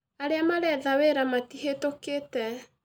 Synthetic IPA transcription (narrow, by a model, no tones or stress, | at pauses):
aɾeamaɾɛðaweɾamatihetoketɛ